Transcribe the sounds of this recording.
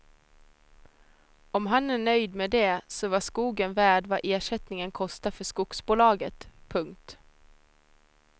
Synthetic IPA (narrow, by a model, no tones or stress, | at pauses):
ɔmɦɑnæːɳœʏd̪meːd̪eːsɔʋɑskuːɡənvæːɖvɑ̰ːʔeːʂɛt̪nɪŋənkʰɔst̪afœʂkʊksbuːlɑːɡət̪pʰɵŋkt̪